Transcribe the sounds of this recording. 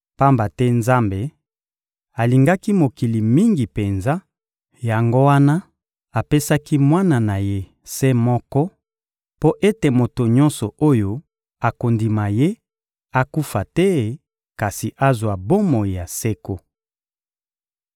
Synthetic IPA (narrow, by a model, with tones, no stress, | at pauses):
pa˦mba˨tɛ˦nza˦mbe˨ | a˨li˨ŋɡa˦ki˦mo˨ki˨li˨mi˦ŋɡi˨pe˨nza˦ | ja˨ŋɡo˦wa˦na˦ | a˨pe˦sa˦ki˦mwa˦na˨na˨je˦ | sɛ˦mɔ˦kɔ˦ | po˦ʔe˦te˨mo˨to˨ɲɔ̃˦nsɔ˨o˦jo˦ | a˨ko˨ndi˨ma˨je˦ | a˦ku˦fa˨tɛ˦˨ | ka˨si˨ʔa˦zwa˨bo˦mo˨i˨a˨se˦ko˦